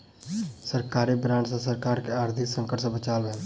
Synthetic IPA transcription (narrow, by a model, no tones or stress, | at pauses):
səɾkaːɾiːbɾãːɳɖsãsəɾkaːɾkeaːɾd̪ʱɪksə̃ŋkəʈsə̃bət͡ʃaːlʋɛːl